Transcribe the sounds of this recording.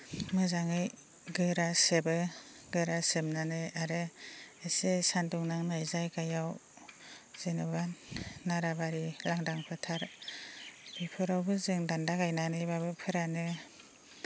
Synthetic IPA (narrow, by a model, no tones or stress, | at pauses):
mɯzaŋɯj | ɡɯɾasebɯ | ɡɯɾasemnanɯaɾɯesesanduŋnaŋnajzajkajaw | z̥enɯbanːaɾabaɾilaŋdaŋpʰɯtʰaɾ | b̥ipʰɯɾawbɯzɯŋdandaɡajnanɯjbabɯpʰɯɾanɯ